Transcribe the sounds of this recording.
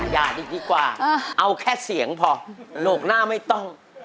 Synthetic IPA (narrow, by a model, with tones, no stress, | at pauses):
jaː˧˩diː˧k̚diː˨˦kwaː˨˩ʔa˧wkʰɛː˥˩si˩˦əŋpʰɔ˧noː˨˩k̚naː˥˩ma˥˩jt̪ɔ˥˩ŋ